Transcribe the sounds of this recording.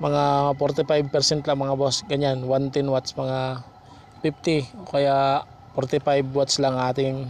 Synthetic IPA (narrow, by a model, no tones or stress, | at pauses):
mɐŋapoɾt̪ɪpajb̚pɛɾsɛnt̪laŋmɐŋabosɡɐɲanwant̪ɛnwat̪smɐŋa | pif̚t̪ɪokɐja | poɾt̪ɪpajbwat̪slaŋʔaːt̪ɪŋ